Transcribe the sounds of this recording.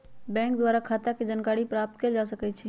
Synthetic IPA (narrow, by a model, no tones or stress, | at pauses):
bɛ̃ːŋk̚d̪waːɾakʰaːt̪aked͡ʒaːnkaːɽipɾaːp̚t̪̚ked͡ʒaːs̬əkɛt͡ʃʰɛ